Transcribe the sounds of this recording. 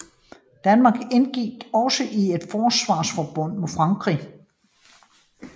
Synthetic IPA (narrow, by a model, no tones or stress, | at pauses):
d̥ænmɑ̈ːɡ̥enɡ̥iɡ̥ɒ̽səʔie̝d̥fɒːsʋɑ̈ːsfɒb̥ɔ̽n̰mofʁɑ̈ŋɡ̥ʰʁḭ